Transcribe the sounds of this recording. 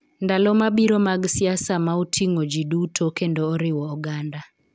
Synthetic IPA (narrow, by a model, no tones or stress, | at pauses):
ndalɔmabiɾomaɡsɪasamautʰiŋod͡ʒidutʰokendoːɾɪwɔːɡanda